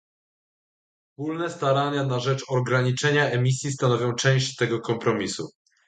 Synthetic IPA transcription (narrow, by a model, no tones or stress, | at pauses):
spulnɛst̪aɾaɲanaʐɛt͡ʂɔɡɾaɲit͡ʂɛɲaɛmʲisʲjist̪anɔvʲjɔ̃w̃t͡ʂɛ̃w̃ɕt͡ɕt̪ɛɡɔkɔmpɾɔmʲisṵ